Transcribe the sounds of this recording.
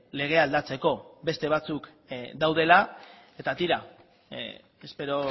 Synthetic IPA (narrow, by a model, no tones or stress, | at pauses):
le̞ɣ̞e̞ald̪at͡se̞ko̞be̞st̪e̞β̞at͡suk | d̪awð̞e̞la | e̞t̪at̪iɾa | espe̞ɾo̞